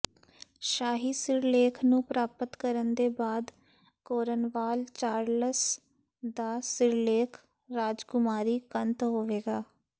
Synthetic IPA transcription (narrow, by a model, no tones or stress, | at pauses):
ʃaːɦiːsɪɾleːkʰnũːpɾaːpət̪kəɾənd̪eːbaːd̪ | koːɾənʋaːlt͡ʃaːɾləs | d̪aːsɪɾleːkʰ | ɾaːd͡ʒkʊmaːɾiːkənt̪ɦoːʋeːɡaː